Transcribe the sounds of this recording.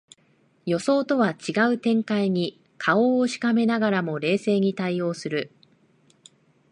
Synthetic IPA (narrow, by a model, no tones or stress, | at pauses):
jo̞so̞ːt̪o̞βat͡ɕiɡaɯ̟t̪ẽ̞ŋkaiɲ̟i | kʰao̞ːɕi̥kame̞naɡaɾamo̞ɾe̞ːse̞ːɲ̟it̪aio̞ːsɨɾɯ̟